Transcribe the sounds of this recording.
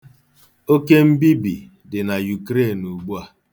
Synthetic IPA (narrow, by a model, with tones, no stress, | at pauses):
o˦ke˦m̩˦bi˦bḭ˨ | dɪ˨na˨ju˨kɾe˦˨nu˨ɡ͡bu˦a˦